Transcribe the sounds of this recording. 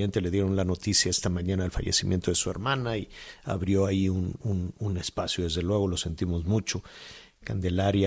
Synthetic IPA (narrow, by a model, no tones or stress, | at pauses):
ent̪e̞le̞ð̞je̞ɾo̞nlano̞t̪isjae̞st̪amãɲãnaːlfa̰ʝe̞̰simje̞nt̪oðe̞sue̞̰ɾmãnaia̰βɾjo̞aiununune̞spasjo̞ðe̞zðe̞lwe̞ɣ̞o̞lo̞se̞nt̪imo̞zmut͡ʃo̞ | kand̪e̞laɾja